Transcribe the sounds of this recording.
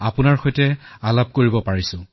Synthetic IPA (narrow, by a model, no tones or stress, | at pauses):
apʊnaɹxojtɛalab̚koɹibɔpaɹisʊ̃